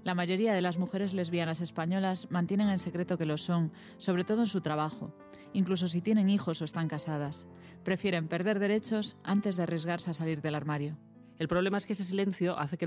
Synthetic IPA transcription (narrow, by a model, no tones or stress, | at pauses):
lamaʝo̞ɾiað̞e̞lazmuxe̞ɾe̞zle̞zβianase̞spaɲo̞lazmãnt̪jene̞ŋe̞nse̞kɾe̞t̪o̞ke̞lo̞so̞ŋ | so̞βɾe̞t̪o̞ð̞oensut̪ɾaβ̞axo̞ | iŋklus̬o̞s̬it̪je̞nẽ̞ŋixo̞soest̪aŋkasað̞as | pɾe̞fje̞ɾe̞mpe̞ɾð̞e̞ɾðe̞ɾe̞t͡ʃo̞sa̰nt̪e̞zðearjezɣ̞aɾseasaliɾðe̞laɾmaɾjo̞ | e̞lpɾoβ̞le̞maeskees̬es̬ilẽ̞nθjo̞ʔaθe̞ke